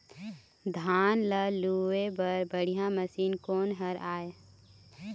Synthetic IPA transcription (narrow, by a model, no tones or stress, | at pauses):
d̪ʱaːnləluebɐɾbəɽ̤ijãməsiːnkoːnɦɐɾaːe